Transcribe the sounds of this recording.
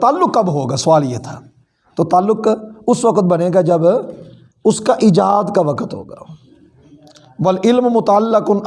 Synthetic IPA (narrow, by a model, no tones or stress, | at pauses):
t̪aːlːʊkːɐbɦoːɡaːsɐʋaːljet̪ʰaː | t̪oːt̪aːlːʊkʊsʋɐkət̪̚bɐneːɡad͡ʒɐb | ʊskaʔɪd͡ʒaːd̪kaʋɐkət̪ɦo̰ːɡaː | ʋɐlɪlmmʊt̪aalːɪkʊn